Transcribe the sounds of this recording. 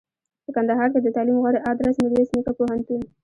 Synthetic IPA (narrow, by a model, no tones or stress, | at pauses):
pəkand̪aɦɑɾked̪ət̪ɑlimɣɑɽeʔɑd̪ɾasnɪɾjesnikapoɦant̪un